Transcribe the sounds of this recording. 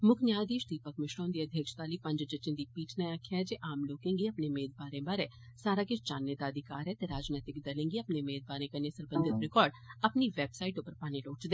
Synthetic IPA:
mʊkʰnjaːd̪iːʃʈ̪iːpəkmɪʃɾõːnd̪iːəd̪ʱjəkʃt̪aːliːpə̃ɲd͡ʒd͡ʒət͡ʃɪ̃nd̪iːpiːʈʰnaaːkʰːjad͡ʒeːʔaːmloːkẽːŋɡiːəpneːmeːd̪baːɾẽːbaːɾeː | saːɾaːkɪt͡ʃt͡ʃaːnːeːd̪aːəd̪ʱɪkaːɾɛːt̪eːɾaːd͡ʒnɛːt̪ɪkd̪əlẽːŋɡiːəpneːmeːd̪̚baːɾẽːkənẽːsəɾbənd̪ʱɪt̪ɾɪkɔːɾɖ | əpniːʋɛːbsaːiʈopəɾpaːneːloːt͡ʃd̪e

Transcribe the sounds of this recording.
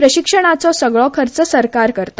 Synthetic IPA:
pɾəɕikʂəɽ̃at͡sɔsəɡɭɔkʰəɾt͡səsəɾkaɾkəɾt̪ḁ

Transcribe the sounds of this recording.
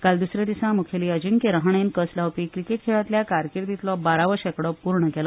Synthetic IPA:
kald̪usɾad̪isãmukʰjeliːəd͡ʑiŋkeɾəɦɳ̃enkəslawpikɾikeʈ̚kʰeɭat̪ljakaɾkiɾd̪it̪lɔbaɾaʋəɕɛkɽɔpuɾɳəkɛlɔ

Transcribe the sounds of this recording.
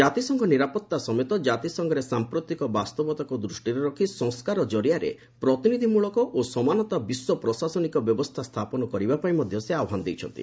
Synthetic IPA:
d͡ʒat̪isɔŋɡɔniɾapɔt̪ːasɔmet̪ɔd͡ʒat̪isɔŋɡɔɾesampɾot̪ikɔbast̪ɔbɔt̪akud̪ɾusʈiɾeɾɔkʰisɔ̃ŋskaɾɔd͡ʒɔɾijaɾḛ | pɾɔt̪inid̪ʱimuɭɔkɔʔosɔmanɔt̪abiswɔpɾɔsasɔnikɔbjɔbɔst̪ʰast̪ʰapɔnɔkɔɾibapaĩmɔd̪ʱjɔseawɔɦanɔd̪ejt͡ʃʰɔ̰nt̪ḭ

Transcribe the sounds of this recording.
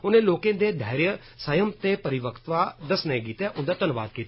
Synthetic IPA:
ʊnẽːloːkẽːd̪eːɖʱaːɾjə | səjəmt̪eːpəɾɪʋəkt̪ʋaːd̪əsnẽːɡiːt̪ɛːʔʊnd̪aːt̪ənʋa̰ːd̪kiːt̪ː

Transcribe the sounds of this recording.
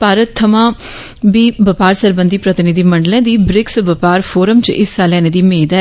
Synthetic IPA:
paːɾət̪ʰːəmãː | biːbəpaːɾsəɾbə̃nd̪iːpɾət̪ɪnɪd̪iːməɳɖlẽːd̪iːbɾɪksbəpaːɾpʰoːɾəmt͡ʃʔɪsːaːlɛːneːd̪iːmeːd̪ɛː

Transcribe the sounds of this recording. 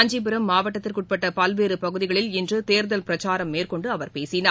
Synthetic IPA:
ɐɲd͡ʒip̬ɪɾɐmːaːʋɐʈːɐt̪ːɪrkʊʈ̚pɐʈːɐpɐlʋeːɾɯpɐɣɯðɪɣɐɭɪlɪndrɯt̪eːɾðɐlpɪɾɐt͡ʃaːɾɐmːeːrkɔɳɖɯɐʋɐɾpeːsɪnaː

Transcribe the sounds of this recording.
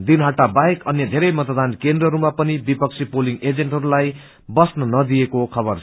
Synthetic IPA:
d̪inɦaʈabaekʌnjʌd̪ʱeɾʌjmʌt̪ʌd̪ankend̪rʌɦʌɾumapʌnibipʌk̚t͡sʰipoliŋɡed͡zeɳʈɦʌɾulaj | bʌsnʌnʌd̪ijekokʰʌbʌrʰ

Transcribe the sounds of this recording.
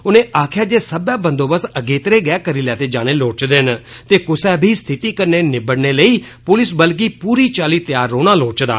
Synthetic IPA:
ʊnẽːʔaːkʰɪjaːd͡ʒeːsəbãːbə̃nd̪oːbəsəɡeːt̪əɾeːɡɛːkəɾiːlɛːt̪eːd͡ʒaːñeːloːt͡ʃd̪ent̪eːkʊsɛ̃ːbʱiːst̪ʰɪt̪iːkəɾneːnɪbəɽneːləiːpʊlɪsbəlk̬iːpuːɾiːt͡ʃaːliːt̪ɪjaːɾːoːñaːloːt͡ʃd̪a̰ː

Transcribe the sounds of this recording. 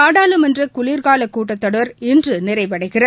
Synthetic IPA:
aːɽaːlɯmɛndrɯkʊliːɾɣaːlɐkːuːʈːɐt̪ːɐɽɯʋɐɾɪndrɯnɪrɐɪʋɐɽɐɪɣɪrɐ

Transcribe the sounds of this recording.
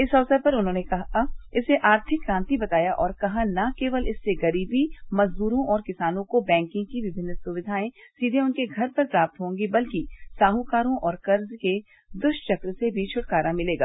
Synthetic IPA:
ɪsɐːsəɾpɐɾʊnɦõːnekɐɦaɪseʔaːɾt̪ʰɪkːɾãːnt̪ibɐt̪aːjaʔɔːɾkɐɦanɐkeːʋəlɪsːeɡɐɾiːbimɐzd̪uːɾõʔɔːɾkɪsaːnõkobɛ̃ːŋkɪ̃ŋɡkiʋɪbʱɪ̃nːsʊʋɪd̪ʱaːẽsiːd̪ʱeʊnkeɡʱɐɾpɐɾpɾaːp̚t̪ɦõːŋɡibɐlkisaːɦũkaːɾõʔɔːɾkɐɾzke | d̪ʊʃʈt͡ʃɐkɾsebʱit͡ʃʰʊʈkaːɾamɪleːɡaː

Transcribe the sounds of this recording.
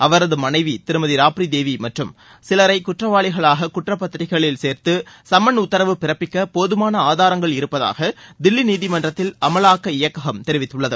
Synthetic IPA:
ʔɐʋɐɾɐðɯmɐnɐɪʋit̪ɪɾɯmɐðiɾaːpɾid̪eːʋimɐʈrɯm | sɪlɐɾɐɪkʊʈrɐʋaːɭɪɣɐɭaːɣɐkʊʈrɐpːɐt̪ːɪɾɪɣɐɭɪlseːɾt̪ɯsɐmɐnʊt̪ːɐɾɐʋɯpɪɾɐpːɪkːɐpoːðɯmaːnɐaːðaːɾɐŋɡɐɭɪɾɯpːɐða̰ːɣɐd̪ɪlːiniːðɪmɐndrɐt̪ːɪlɐmɐlaːkːɐɪjɐkːɐɣɐmt̪ɛɾɪʋɪt̪ːɯɭːɐðɯ

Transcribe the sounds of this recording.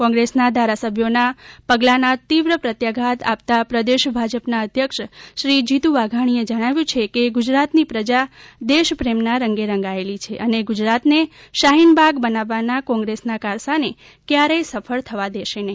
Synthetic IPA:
kɔ̃ŋɡɾesnad̪ʱaɾasəbʱjonapəɡlanat̪iʋɾəpɾət̪jaɡʱat̪a̰p̚t̪apɾəd̪eʃbʱad͡ʒəpnaəd̪ʱjəkʃʃɾid͡ʒit̪uʋaɡʱaɽ̃ied͡ʒəɽ̃aʋjũt͡ʃʰekeɡʊd͡ʒɾat̪nipɾəd͡ʒad̪eʃpɾemnaɾəŋɡeɾəŋɡaelit͡ʃʰeʔəneɡʊd͡ʒɾat̪neʃaɦinbʱaɡbənaʋːanakɔ̃ŋɡɾesnakaɾsane | kjaɾəjsəfʰəɭt̪ʰəʋad̪eʃene

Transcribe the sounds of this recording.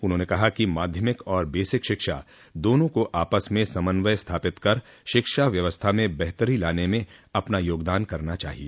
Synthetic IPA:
ʊnɦõːnekɐɦakimaːd̪ʱjəmɪkɔːɾbeːsɪkʃɪkʃa̰ | d̪oːnõkoʔaːpəsmẽsɐmənʋəjst̪ʰaːpɪt̪kɐɾ | ʃɪkʃaʋjɐʋəst̪ʰamẽbɛɦt̪əɾilaːnemẽɐpnajoːɡd̪aːnkɐɾnat͡ʃa̰ːɦieː

